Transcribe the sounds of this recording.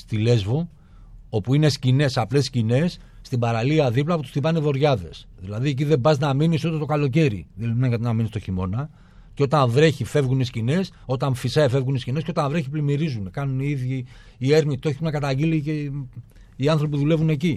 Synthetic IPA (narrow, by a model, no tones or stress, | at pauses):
st̪ile̞zvo̞ | opuinescine̞sɐple̞scine̞sː | t̪ibɐɾaliɐðiplɐpot̪u̥st̪ipɐnivo̞ɾʝɐðe̞̰sðilɐðiec̬iðebɐznɐminist̪ot̪et̪o̞kalo̞c̬e̞ɾḭðelimenkɐt̪inɐminist̪o̞çimo̞̰nɐ | ceo̞t̪ɐɱvɾe̞çife̞vɣuniscine̞so̞t̪ɐɱfisɐife̞vɣuniscinesceo̞t̪ɐɱvɾe̞çiplimiɾizunekɐnuniiðʝiː | e̞ɾnit̪o̞çinɐkɐt̪ɐɟilice | iɐnθɾopipuðule̞vune̞ci